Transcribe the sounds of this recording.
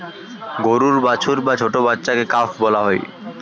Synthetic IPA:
ɡoɾuɾbat͡ɕʰuɾbat͡ɕʰoʈobatːɕakekafʰbɔlaɦɔj

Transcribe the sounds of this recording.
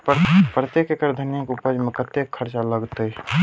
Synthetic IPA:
pɾət̪ekekəɾd̪ʱənjakʊpəd͡ʒmẽkət̪ekʰːəɾt͡ʃaləɡt̪əi

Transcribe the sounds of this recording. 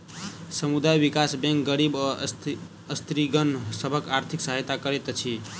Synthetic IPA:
səmud̪ajbikasbɛ̃ŋkɡəɾib | əst̪ɾiɡənsəbʱəkaɾt̪ʰiksəɦəjt̪akəɾet̪t͡ʃʰi

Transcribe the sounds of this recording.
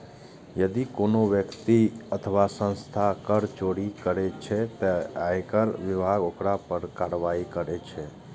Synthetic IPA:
jəd̪ikoːnoʋjəkt̪iət̪ʰəʋasə̃nst̪ʰakəɾt͡ʃoːɽikəɾet͡ʃʰet̪əaːekəɾʋɪbʱaːɡoːkɾapəɾkaːɾʋaːikəɾet͡ʃʰɛ

